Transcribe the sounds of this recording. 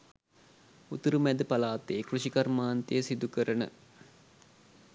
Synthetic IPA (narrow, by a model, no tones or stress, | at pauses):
ut̪əɾumæd̪əpalaːt̪eːkruʃikɐrmaːnt̪ejəsid̪ukəɾənə̰